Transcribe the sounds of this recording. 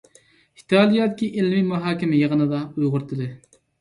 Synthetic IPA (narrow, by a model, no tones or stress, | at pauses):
hʰi̥t̪ʰɑːlˠijɑd̪kʲʰiʔelmimɑɦɑːkʲimɪjeʁənɨd̪ɑujʁʊɾt̪ʰɨd̪ɨ